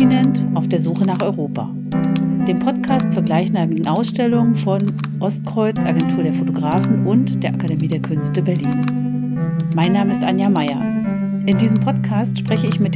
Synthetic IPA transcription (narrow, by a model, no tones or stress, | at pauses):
inɛntʔaʊfd̥eːɐzuːχənaːχʔɔʏʁoːpʰa̰ː | d̥eːmpʰɔtkʰaːstt͡suːɐɡlaɪçnaːmɪɡŋ̩ʔaʊsʃtɛlʊŋfɔn | ʔɔst̚kʁ̥ɔʏt͡sʔa̰ɡɛntʰuːɐɾeːɐfotoɡʁaːfn̩ʔʊntd̥eːɐʔakademiːdeːɐkʰʏnstəbɛɐliːn | maɪnːaːməɪstʔanjamaɪɐ̰ | ʔɪndiːzəmpʰɔtkʰaːstʃpʁ̥ɛçəɪçmɪt̚d